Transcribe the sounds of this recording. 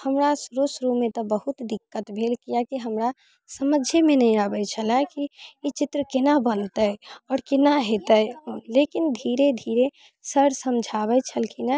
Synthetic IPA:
həmɾasɾusɾumẽt̪ɔbəɦut̪d̪ɪkːət̪bʱeːlkijakiɦəmɾa | səməd͡ʒʱemẽnəɦĩabət͡ʃʰəlakiit͡ʃɪt̪ɾəkenabənt̪əjɔːɾkɪnaɦet̪əlekind̪ʱiːɾed̪ʱiːɾe | səɽsəmd͡ʒʱaβət͡ʃʰəlkʰina

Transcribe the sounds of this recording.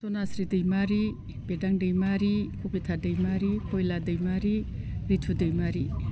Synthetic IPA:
sonasɾidɯjmaɾi | pedaŋdɯjmaɾikʰopitʰadɯjmaɾikʰojladɯjmaɾiɾitʰudɯjmaɾi

